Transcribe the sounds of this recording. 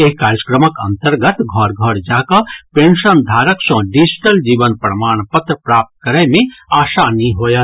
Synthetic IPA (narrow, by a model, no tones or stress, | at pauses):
eːkːaːɾjəkɾəməkɐ̰̃nt̪əɾɡət̪ɡʱɔɾɡʱəɾd͡ʒaːkapẽːɳʃənd̪ʱaːɾəksɔ̃ɖid͡ʒʈəld͡ʒiːʋənpɾəmaːɽ̃pət̪ɾəpɾaːp̚t̪̚kɐɾəjmẽaːʃanɐĩɦoːja